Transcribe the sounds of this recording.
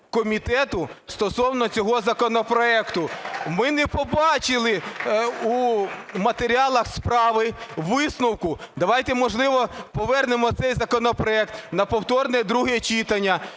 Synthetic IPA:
kɔmʲit̪ɛt̪ʊst̪ɔsɔwnɔt͡sʲɔɦɔzɐkɔnɔpɾɔɛkt̪ʊmɪnɛpɔbɑt͡ʃɪlˠɪ | umɐt̪eɾʲiɑlˠɐxspɾɑʋɪʋɪsnʊwkʊd̪ɐʋɑjt̪ɛmɔʒlˠɪʋɔpɔʋɛrnemɔt̪sɛjzɐkɔnɔpɾɔɛkt̪nɐpɔwt̪ɔrnɛd̪ɾuɦɛt͡ʃit̪ɐnʲːɐ

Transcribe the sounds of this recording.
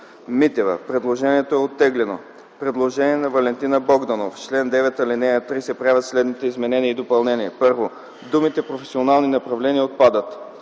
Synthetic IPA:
mit̪ɛvə̰pɾɛd̪lˠoʒɛniɛt̪oɛot̪ːɛɡlɛno̰ | pɾɛd̪lˠoʒɛniɛnɐvɐlɛnt̪inəbɔɡd̪ɐnoft͡ʃlɛnd̪ɛvɛt̪ɐlinɛjət̪ɾisɛpɾiɛvət̪slɛd̪nit̪ɛizmɛnɛniəid̪opɐlˠnɛniɛpɤɾvo | d̪umit̪ɛpɾofɛsionalˠninɐpɾɐvlɛniəot̪̚pad̪ət̪

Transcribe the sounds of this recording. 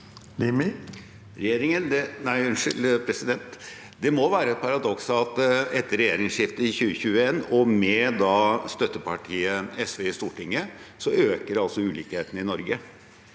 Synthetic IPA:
limɪ | ɾɛjeːɾɪŋənd̪ɛnæɪʉnʂɪlpʰɾɛsɪd̪ɛnt̪ | d̪ɛmɔʋæːɾəɛt̪̚pʰɑɾɑd̪ɔksɑt̪ɛt̪ːəɾɛjeːɾɪŋʂɪft̪əɪçʉːəçʉːəeːnɔmɛd̪ɑːst̪œt̪ːəpʰɑʈʰiːəɛsʋeːɪst̪uːʈɪŋːəsɔøːkəɾɑlsɔʉːliːkheːt̪n̩ɪnɔɾɡə

